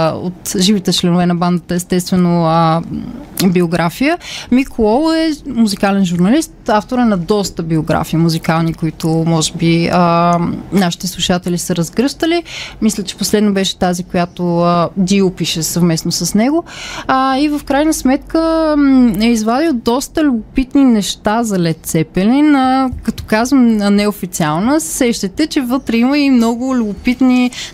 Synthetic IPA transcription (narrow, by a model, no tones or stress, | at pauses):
o̰t̪ʒivit̪ɛt͡ʃlɛnʊvɛnɐband̪ət̪əɛst̪ɛst̪vɛnoə | bioɡɾafijəmikʰoɔlˠɛmuzikalɛnʒuɾnɐlist̪aft̪oɾənɐd̪ɔst̪əbioɡɾa̰fiimuzikalˠnikoit̪ʊmɔʒɛbiənaʃi̥t̪ɛslˠuʃat̪ɛlisəɾɐzɡɾɤʃt̪əlimislʲət͡ʃɛ̥poslɛd̪nobɛʃɛ̥t̪azikojat̪oəd̪iʊpiʃɛsɐvmɛsnosɐsnɛɡʊː | ivəfkɾajnəsmɛt̪kə | ɛizvad̪ilˠd̪ɔst̪əlʲʊbʊpit̪ninɛʃt̪azɐlɛt̪̚t̪sɛpɛlinəkɐt̪ɔ̥kazvəmənɛofit̪sialˠnəsɛʃt̪ɛt̪ɛt͡ʃɛvɤt̪ɾɛiməimnɔɡʊlʲʊbʊpit̪ni